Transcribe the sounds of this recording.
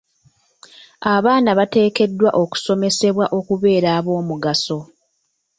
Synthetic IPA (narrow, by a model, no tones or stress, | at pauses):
aβaːnaβate̞ːke̞dːwa̰ʔo̞ku̥so̞me̞se̞βwaʔo̞kuβe̞ːɾaːβo̞ːmuɡaso̞